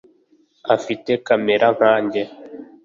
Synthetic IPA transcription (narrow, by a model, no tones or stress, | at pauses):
afitekameɾʔaŋaːɲɟe